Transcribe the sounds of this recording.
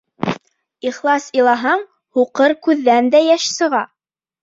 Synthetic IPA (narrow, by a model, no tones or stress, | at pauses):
iχlˠɑsilˠɑɦɑɴ | huqɤɾkʉðːænd̪æjæʃsɤ̆ʁɑ